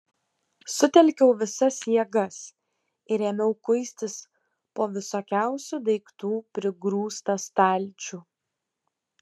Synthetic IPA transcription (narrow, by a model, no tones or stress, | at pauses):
sʊt̪ʲɛlʲkʲɛʊʋʲɪsɐsjiɛɡɐs | ɪɾeːmʲɛʊkʊɪsʲt̪ʲɪs | poːʋʲɪsoːkʲæˑʊsʲud̪ɐɪkt̪uːpʲɾʲɪɡɾuːst̪ɐst̪ɐˑlʲt͡ʃʲu